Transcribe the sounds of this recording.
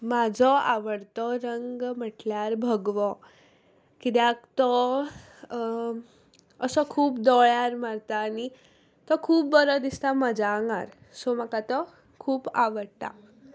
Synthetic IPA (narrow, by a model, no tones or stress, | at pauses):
mad͡zʱɔaʋəɽt̪ɔɾəŋɡməʈljaɾbʱəɡʋɔ | kid̪jãkt̪ɔ | əsɔkʰuːpd̪ɔɭjaɾmaɾt̪aːni | t̪ɔkʰuːpbəɾɔd̪ist̪amad͡ʑaŋɡa̰ɾ | somakat̪ɔ | kʰuːpaʋəɽt̪a̰